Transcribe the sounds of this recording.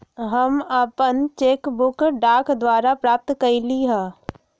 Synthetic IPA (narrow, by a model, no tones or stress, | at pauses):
ɦɐməpənt͡ʃeːkbʊkɖaːkd̪waːɾapɾaːp̚t̪kəɾiliɦɛ̃ː